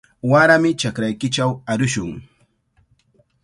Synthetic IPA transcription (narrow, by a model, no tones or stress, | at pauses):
waɾamɪt͡ʃakɾajkɪt͡ʃawaɾʊʃʊŋ